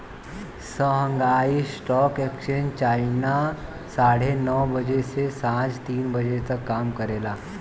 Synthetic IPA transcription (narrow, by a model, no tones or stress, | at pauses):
səɦəŋɡaiːsʈɔkɛkɕənt͡ɕaina | saɽ̤enɔwbəd͡ʑesesãd͡zt̪iːnbəd͡ʑet͡səkːamkəɾela